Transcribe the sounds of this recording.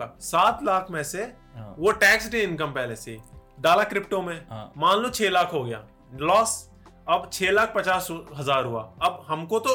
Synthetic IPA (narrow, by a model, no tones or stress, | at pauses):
saːt̪laːkʰmɛ̃ːse | ʋoʈɛːksɖeɪ̃nkəmpɛːɦleseɖaːlakɾɪp̚ʈomẽmãːnlõt͡ʃʰeːlaːkʰɦoɡɐja̰ː | lɔːs | ɐbt͡ʃʰeːlaːk̚ʰpɐt͡ʃaːsɦɐzaːɾɦʊa̰ːɐbɦɐmkot̪o